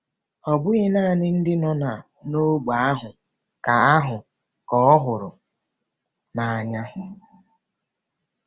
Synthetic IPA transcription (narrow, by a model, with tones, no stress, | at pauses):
ɔ˨bʊ˦ɪ˦na˦˨nɪ˦n̩˦dɪ˦nɔ˨na˨ | no˦ɡ͡ba˨a˦ɦʊ˨ | ka˨a˦ɦʊ˨ | kɔ˦ɔ˦ɦʊ˨ɾʊ˨ | na˨a˨ɲa˦ɦʊ˨